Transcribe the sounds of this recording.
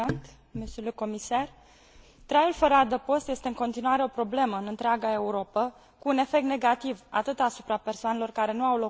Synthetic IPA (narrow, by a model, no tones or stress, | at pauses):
nt̪ | mest̪uluko̞misar | t̪ɾajulfəɾad̪əpo̞st̪je̞st̪eɨŋko̞nt̪inuaɾe̞o̞pɾo̞ble̞məɨnɨnt̪ɾeaɡae̞uɾo̞pə | kuːne̞fekt̪ne̞ɡat̪iva̰t̪ɨt̪asu̥pɾape̞rsoane̞lo̞rkaɾe̞nuawlo